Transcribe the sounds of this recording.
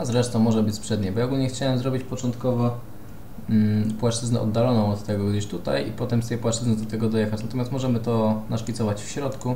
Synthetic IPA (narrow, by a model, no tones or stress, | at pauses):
azɾɛʂt̪ɔ̃w̃mɔʐɛbɘt͡ɕʲspʂɛd̪ɲɛjbɔjaɔɡulɲɛxt͡ɕawɛmzɾɔbʲit͡ɕpɔt͡ʂɔnt̪kɔvɔ | pwaʂt͡ʂɘznɛɔ̰d̪ːalɔnɔ̃w̃ɔt̪ːɛɡɔɡd̪ɘɕt̪ut̪a̰jḭpɔt̪ɛmst̪ɛjpwaʂt͡ʂɘznɛd̪ɔt̪ɛɡɔd̪ɔjɛxat͡ɕnat̪ɔmʲast̪mɔʐɛmɘt̪ɔnaʂfʲit̪sɔvat͡ɕfɕɾɔt̪ku